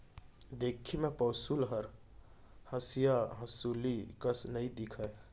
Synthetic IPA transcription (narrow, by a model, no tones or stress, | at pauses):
d̪ekʰimepəsulɦəɾ | həsijaɦəsulikəsnəid̪ikʰəe